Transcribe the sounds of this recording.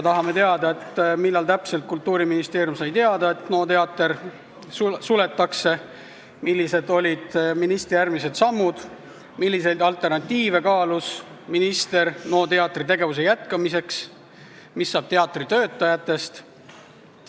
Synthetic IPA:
t̪ɑɦɑme̞t̪e̞ɑd̪ɑe̞t̪ːmilːɑlt̪æpse̞lt̪̚kult̪ːuːɾiminist̪e̞ːɾjumsɑjt̪e̞ɑd̪ɑe̞t̪no̞ːt̪e̞ɑt̪ːˑe̞ɾ | sule̞t̪ːˑɑkse̞ | milːise̞d̪̥o̞lʲid̪̥minist̪rijærmise̞d̪̥sɑmːud̪̥ | milːise̞jd̪̥ɑlt̪ˑe̞rnɑt̪ʲːiːve̞kɑːlus | minist̪e̞rno̞ːt̪e̞ɑt̪ːˑrit̪e̞ɡe̞vus̬e̞jæt̪kɑmise̞ks | misːɑːb̥̚t̪e̞ɑt̪ːˑrit̪ø̞ːt̪ːˑɑjɑt̪ːˑe̞st̪

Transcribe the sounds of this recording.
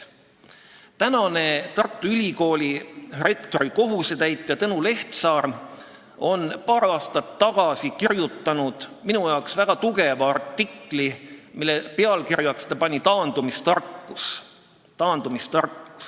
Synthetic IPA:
t̪ænɑne̞t̪ɑrt̪ːˑuylʲiko̞ːlʲire̞kt̪o̞ɾiko̞ɦuset̪æjt̪ːˑjɑt̪ɤnule̞ht̪sɑːr | o̞npɑːɾɑːst̪ɑt̪ːɑɡ̥ɑsikirjut̪ːˑɑnud̪̥minujɑwksvæɡ̥ɑt̪uɡ̥e̞vɑɑrt̪ːˑikˑlimilːepe̞ɑlkirjɑkst̪ɑpɑnʲit̪ɑːnd̪̥umist̪ɑrkːus | t̪ɑːnd̪̥umist̪ɑrkːu̥s

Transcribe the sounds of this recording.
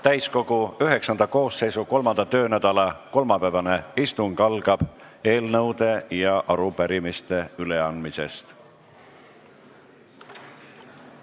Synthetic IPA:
t̪æjsko̞ɡ̥uyɦe̞ksɑnd̪ɑko̞ːsːe̞jsuko̞lmɑnd̪̥ɑt̪ø̞ːnæd̪̥ɑlɑko̞lmɑpævɑne̞ist̪uŋɡ̥ɑlɡ̥ɑb̥e̞ːlnɤwd̪̥e̞jɑʔɑɾupæɾimist̪e̞yle̞ɑnd̪mise̞̰st̪

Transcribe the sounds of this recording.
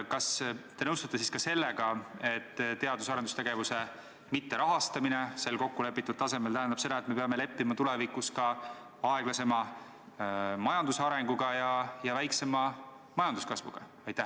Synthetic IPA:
kɑst̪e̞nɤwst̪ɑ̥t̪ːˑesiskɑse̞lːeɡɑe̞t̪ːt̪ːe̞ɑd̪usɑɾed̪u̥st̪e̞ɡ̥e̞vuse̞ | mit̪ːe̞ɾʔɑɦɑst̪ɑminese̞lko̞kːule̞pːˑit̪ːˑud̪̥̚t̪ɑse̞melt̪æɦænd̪ɑb̥se̞d̪ɑet̪me̞peɑme̞le̞pːimɑt̪ule̞vikuskɑ | ɑeɡ̥lɑse̞mɑ | mɑjɑnd̪usɑɾe̞ŋɡ̥uɡ̥ɑjɑjɑvæjkse̞mɑ | mɑjɑnd̪uskɑsvṵɡ̥ɑ̰ | ɑjt̪ːæh

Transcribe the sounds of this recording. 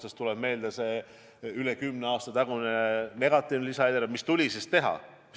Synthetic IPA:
t̪ɑst̪uleb̥me̞ːld̪̥ɑse̞ | ylekymneɑːst̪ɑt̪ɑɡunene̞ɡ̥ɑt̪ːˑivnelisɑed̪eɾɑmist̪ulʲisist̪e̞ɦɑ̰

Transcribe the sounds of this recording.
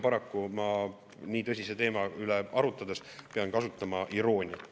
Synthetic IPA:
pɑɾɑkːumɑ | niːt̪ɤsʲise̞t̪e̞ːmɑyleʔɑɾut̪ːˑɑd̪e̞spe̞ɑnkɑsut̪ːˑɑmɑʔiɾo̞ːnʲi

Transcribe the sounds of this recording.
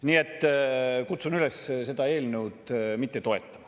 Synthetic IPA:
niːe̞t̪ːˑkut̪sunylesse̞d̪̥ɑe̞ːlnewt̪mit̪ˑːet̪o̞e̞t̪ˑːɑ̥mɑ̥

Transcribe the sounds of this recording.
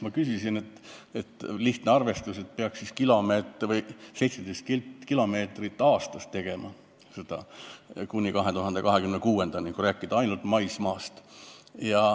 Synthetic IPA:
mɑkysisine̞t̪ːˑet̪ːliht̪neɑrve̞st̪use̞t̪̚peɑksiskilo̞meːt̪vɤjse̞jt̪se̞d̪̥ejst̪kikilo̞me̞ːt̪rit̪ːˑɑːst̪ɑst̪ːe̞ɡ̥e̞mɑ | sed̪̥ɑ̰kunʲːikɑɦe̞t̪uɦɑnd̪e̞kɑɦekymnekuːe̞nd̪̥ɑniŋkuɾæːkːˑid̪̥ɑɑjnult̪mɑjsmɑːst̪jɑ

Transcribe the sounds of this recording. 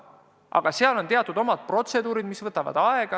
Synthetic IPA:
ʔɑ̰ɡ̥ɑseɑlo̞nt̪e̞ɑt̪ːˑud̪̥o̞mɑd̪̥̚pro̞t̪se̞d̪uːɾid̪misvɤt̪ːˑɑvɑ̰d̪̥ɑeɡ̥ɑ

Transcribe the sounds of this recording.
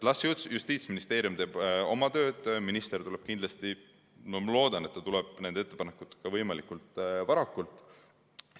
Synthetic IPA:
t̪lɑsjut̪sjust̪iːt̪sminist̪e̞ːɾijumt̪eːbo̞̰mɑt̪ø̞ːd̪̥minist̪e̞rt̪ule̞b̥̚kind̪lɑst̪i | mɑmlo̞ːd̪̥ɑne̞t̪ːɑt̪ulɛb̥̚nend̪eet̪ːˑepɑnekːˑut̪ːeɡ̥ɑvɤjmɑlikːˑult̪ˑvɑɾɑkːˑult̪ːˑ

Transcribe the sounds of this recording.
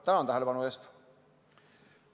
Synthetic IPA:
t̪æmæont̪æhelpɑnuest̪

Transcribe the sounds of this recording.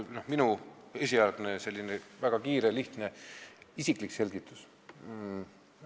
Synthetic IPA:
nohminu | e̞sʲiɑlɡ̥ne̞se̞lʲːinevæɡ̥ɑkiːɾeliht̪ne̞isiklikse̞lʲɡ̥it̪ːˑus

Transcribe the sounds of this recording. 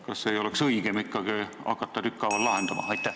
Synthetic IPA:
kɑsːeːjo̞leksɤiɡ̥emikːɑɡeɑ̰kːɑt̪ːɑt̪ykːɑʋɑllɑɦend̪ɑmɑ̰ɑjt̪ːˑæ

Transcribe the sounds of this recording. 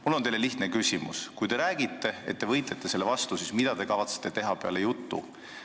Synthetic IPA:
mulːonejle̞liht̪nekysʲimṵskujd̪e̞ɾæːɡ̥it̪ːe̞e̞̰t̪̚ːe̞vɤjt̪let̪ːˑe̞se̞lːevɑst̪usismid̪̥ɑt̪e̞kɑvɑt̪se̥t̪ːˑet̪e̞ɦɑpeɑ̰lejut̪ːṵ

